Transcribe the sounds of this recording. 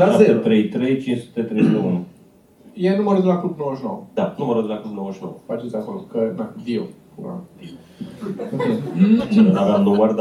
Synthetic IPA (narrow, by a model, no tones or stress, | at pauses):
aaeet̪ɾejt̪ɾejt͡ʃinsu̥t̪et̪ɾejnounu | jenumaɾəd̪unaklubnowəʃinowəd̪anuməɾəd̪unaklubnowəʃinowəfat͡ʃemsd̪akoɾkənaviopuna̰ | aveamnomərd̪